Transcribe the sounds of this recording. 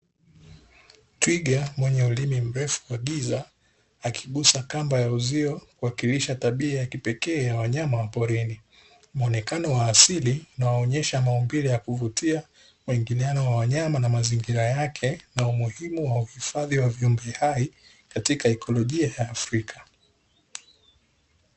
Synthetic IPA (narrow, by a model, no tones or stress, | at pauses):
twiɠamwɛɲɛulimim̩ɾɛfu̥waɠizaː | kʰiɠusakambajauziɔkuwakiliʃataɓiajakipɛkɛːjawaɲamawapɔɾini | m̩ɔnɛkanɔwaːsiliunawaɔɲɛʃamaɔmbilɛjakuvutia | muiŋɡilianɔwawaɲamanamaziŋɡiɾajakʰɛnaumuhimuwauhifaðiwaviumbɛhai | katikaɛkʰɔlɔʄiajaːfɾikʰḁ